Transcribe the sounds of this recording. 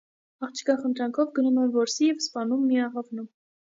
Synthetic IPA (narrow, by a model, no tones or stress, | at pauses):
ɑχt͡ʃʰkɑχənt̪ɾɑŋkʰɔvɡənumɛnvɔɾsijɛvspɑnumːiɑʁɑvnum